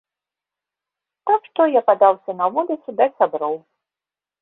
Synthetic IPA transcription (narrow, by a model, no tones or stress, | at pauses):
t̪akʂt̪ɔjapad̪awsʲɐnɐvulʲit̪sɨd̪ɐsʲabɾɔw